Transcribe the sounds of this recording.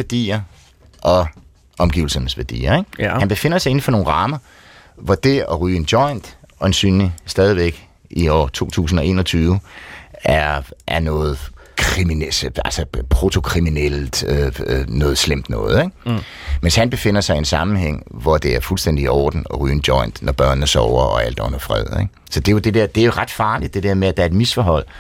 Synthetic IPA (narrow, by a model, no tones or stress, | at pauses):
æɐd̥ḭːɐ | ʔɒ̽ | ʔɒ̽mɡ̥ḭːʊl̩sɐnəsʋæɐd̥ḭːɐeɡ̥hænb̥e̝fe̝n̰ɐsɑe̝n̩fɒno̝ːnʁɑ̈ːmɐ | ʋɒd̥e̝ɒ̽ʁyːend̥jɒ̽ɪnd̥ɒ̽ensy̰ːnlisd̥ɛːð̞ˠiʋeɡ̥ | iɒ̰ːt͡sʰo̝̰ːt͡sʰṵːs̬n̩ɒ̽e̝̰ːnɐt͡sʰyːʊəʔæɐʔæɐnɔ̽ːð̩ˠkʰʁimiælsəpʰʁo̝t͡sʰo̝kʰʁiminel̰d̥ønɔ̽ːð̞̩ˠslem̰d̥nɔ̽ːð̞̩ˠeɡ̥ | menshænb̥e̝fe̝n̰ɐsɑ̈ɪensɑ̈mn̩ɦeŋ̰ʋɒd̥e̝æɐfulsd̥en̰d̥iɒːd̥n̩ɒ̽ʁy̰ːnd̥jɒ̽ɪ̰nd̥nɒb̥ɶɐ̰nəsɒʊɐɒ̽æl̰d̥ɔ̽n̰ɐfʁɛ̰ð̰ˠeɡ̥ | sɒ̽d̥e̝jo̝d̥e̝d̥eɐd̥e̝æɐjo̝ʁɑ̈d̥fɑ̈ːlid̥ːe̝d̥eɐmeæd̥æ̈ɐe̝d̥misfɒɦɒ̽l̰